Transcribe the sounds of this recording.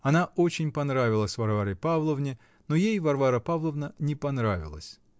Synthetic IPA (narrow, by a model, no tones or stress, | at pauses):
ɐnaot͡ɕɪnʲpɐnɾavʲɪlˠəsʲvɐrvaɾəjpavlˠəvnʲɪ | nojejvɐrvaɾəpavlˠəvnənʲɪpɐnɾavʲɪ̰lˠə̰sʲ